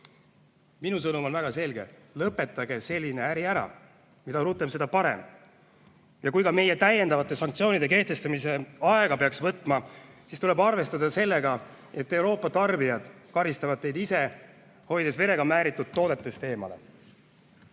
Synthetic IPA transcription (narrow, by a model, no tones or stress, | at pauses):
minusɤnumo̞nvæɡ̥ɑse̞lɡe̞̰lɤpːˑe̞t̪ːˑɑɡe̞se̞lʲːine̞æɾiæɾɑ̰ | mid̪ɑɾut̪ːˑemse̞d̪̥ɑpɑɾe̞̰m | jɑkujkɑme̞je̞t̪æje̞nd̪ɑvɑt̪ːˑe̞sɑŋk̚t̪sio̞ːnid̪e̞ke̞ht̪e̞st̪ɑmise̞ɑeɡ̥ɑpe̞ɑksvɤt̪ːˑmɑsist̪ulebɑrve̞st̪ɑd̪ɑse̞lːe̞ɡɑ | e̞t̪ːe̞wɾo̞ːpːˑɑt̪ɑrbijɑd̪̥kɑɾist̪ɑvɑd̪̥̚t̪ːe̞jd̪ise̞ | ho̞jd̪̥e̞sve̞ɾe̞ɡɑmæːɾit̪ːˑud̪̥̚tːo̞ːd̪e̞t̪ːˑest̪e̞ːmɑ̰le̞̰